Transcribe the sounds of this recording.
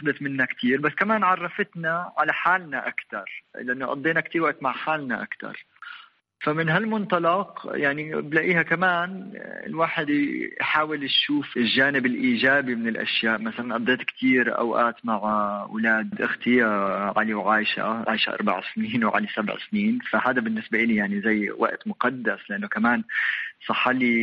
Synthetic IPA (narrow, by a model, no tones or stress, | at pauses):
d̪at̪mɪnːakt̪ʰiːɾbasːkamaːnʕɑrˤːɑfɪt̪naʕalaħaːlnaʔakt̪ɑɾˤlɪʔanːoʔɑ̰d̪ˤːeːnakt̪iːɾwaʔt̪maʕħaːlnaʔa̰kt̪ɑ̰ɾˤ | famɪnɦalmʊnt̪ɑlɑqjaʕniblaʔiːhakamaːnɪ̰lwaːħɪd̪jħaːwɪlaʃuːfɪlʒaːnɪbɪlʔiːʒaːbimɪnɪlʔa̰ʃjaːʔmasalanʔɑd̪ːeːt̪kt̪ʰiːɾʔa̰wʔa̰ːt̪maʕwɪlaːd̪d̪ʔɪxt̪ɪjaʕaliwʕaːjʃa̰ʕa̰ːjʃa̰ʔɑ̰ɾˤba̰ʕsniːnwʕa̰lisabʕsniːnfahaːd̪abɪnːɪsbaʔɪlijaʕnizajːwa̰ʔt̪mʊqɑd̪ːaslɪʔanːokamaːnsˤɑħːali